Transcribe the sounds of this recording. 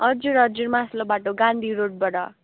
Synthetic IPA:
ʌɾd͡zuɾʌɾd͡zuɾmãslobaʈoɡãnd̪ʱiɾoʈ̚bʌɽʌ̰

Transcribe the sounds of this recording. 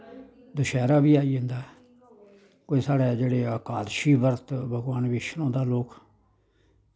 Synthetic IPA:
d̪ʊʃɛːɾaːbiːaːiːɦʊ̃nd̪aːɛ | koːiːsaːɽɛːd͡ʒeːɽeːəkaːd̪ʃiːbəɾt̪bʱəɡʋaːnʋeːʃnõːd̪aːloːk

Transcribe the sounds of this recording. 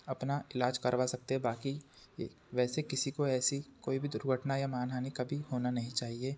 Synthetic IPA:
ɐpnaɪlaːd͡ʒkɐɾʋasɐk̚t̪eɦɛbaːkḭ | ʋɛːsekɪsikoɛːsikoːibʱid̪ʊɾɡʱəʈnajamaːnɦaːnikɐbʱihoːnanɐɦĩt͡ʃaːɦieː

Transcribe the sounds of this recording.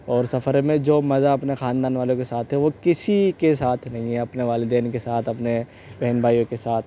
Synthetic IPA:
ɔːɾsɐfʰəɾmẽd͡ʒoːmɐzaɐpnexãːnd̪aːnʋaːlõkesaːt̪ʰɦɛʋokɪsikesaːt̪ʰnɐɦĩɦɛɐpneʋaːlɪd̪ɛːnkesaːt̪ʰɐpne | bɛɦnbʱaːjõkesaːt̪ʰ

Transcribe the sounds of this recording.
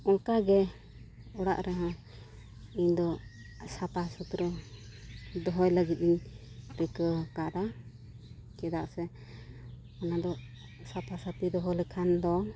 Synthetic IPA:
ɔŋkaɡɛ | ɔɽa̰ʔɾɛɦã | iɲd̪ɔ | sapasut̪ɾə | d̪ɔɦɔjləɡit̪̚ˀiɲ | ɾɛkəkaɾa | t͡ʃɛd̪aʔsɛ | ɔnad̪ɔ | sapasat̪id̪ɔɦɔlɛkʰand̪ɔ

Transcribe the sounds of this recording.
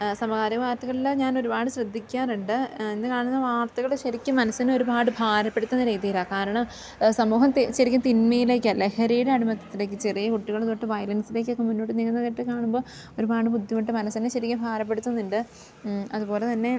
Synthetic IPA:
sɐmɐɣaːɾɐʋaːrt̪ɐɣɐɭilɲaːno̞ɾubaːɽɨɕrɐd̪ʱːikʲːaːruɳɖɨenːɨkaːɳunːɐʋaːrt̪ɐɣɐɭɕɐɾikʲːumɐnɐsːino̞ɾubaːɽɨbʱaːɾɐpːe̞ɽut̪ːɐnːɐɾeːðijilaːkaːɾɐɳɐm | sɐmuːɦɐmt̪ɕɐɾikʲːɐmt̪inmɐjileːkːɐlːɐehɐɾiːɽeɐɽimɐt̪ːɐt̪ːile̞ːk̬ːɨt͡ɕerijɐkuʈːiɣɐɭðoʈːɨʋɐjlɐnsile̞ːkːokːemunːo̞ːʈːɨniɣɐnːɐkɐʈːɨkaːɳumbo̞ː | o̞ɾubaːɽɨpud̪ʱjɐmiʈːɨmɐnɐsːineɕɐɾikʲːɐbʱaːɾɐp̬ːeɽut̪ːunːiɳɖɨ | ɐðupo̞ːle̞t̪ɐnːe̞

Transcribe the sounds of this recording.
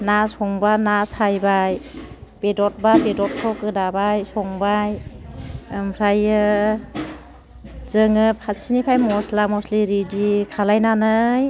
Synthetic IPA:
nasɔŋbanasajbajb̥edɔt̚babedɔt̚kʰɔkɯdabajsɔŋbaj | mpʰɾajɯ | zɯŋɯpʰasinipʰajmɔslamɔsliɾidikʰalajnanɯj

